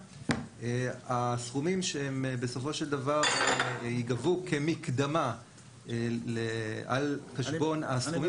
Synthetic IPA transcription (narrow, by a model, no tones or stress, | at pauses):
easχumimʃeembe̞so̞fo̞ʃeld̪avaʁiɡavukʰemikd̪ama | elea̰lχeʃbo̞nasχumi